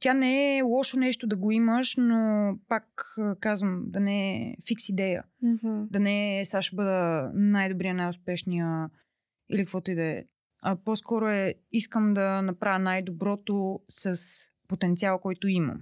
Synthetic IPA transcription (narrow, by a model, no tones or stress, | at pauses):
t̪janɛɛlˠɔʃonɛʃt̪od̪ɐɡoiməʃnopakːkazvəmd̪ɐnɛfiksid̪ɛjə̰ | d̪ɐnɛsaʃbɤd̪ənajd̪obɾijənajʊspɛʃnijə | ḭlikəkvɔt̪oid̪ɛɛ̰ | ɐposkɔɾoɛiskəmd̪ɐnɐpɾʔavʲənajd̪obɾɔt̪osɐs | pot̪ɛnt̪sialˠkɔjt̪oimə̰m